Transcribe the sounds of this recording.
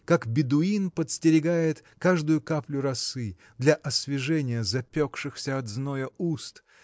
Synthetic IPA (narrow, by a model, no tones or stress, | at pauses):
kakbʲɪd̪ʊinpət̪sʲtʲɪɾʲɪɡajɪt̪kaʐd̪ʊjʊkaplʲʊɾɐsɨ | d̪lʲɐʔɐsvʲɪʐɛnʲɪjəzɐpʲokʂɨxsʲəɐd̪znojəust̪